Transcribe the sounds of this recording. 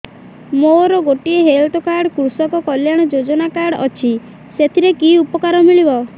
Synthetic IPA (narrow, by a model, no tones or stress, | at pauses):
moɾɔɡoʈieɦelʈɔkaɾɽkɾusɔkɔkɔljaɽ̃ɔd͡ʒod͡ʒɔnakaɾɽɔt͡ʃʰi | set̪ʰiɾekiupɔkaɾɔmiɭibɔ